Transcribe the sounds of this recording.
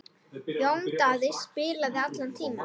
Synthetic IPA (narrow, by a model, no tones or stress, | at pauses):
jowŋt̪aːðɪspɪːɾlaðɪat̪lant̪ʰiːn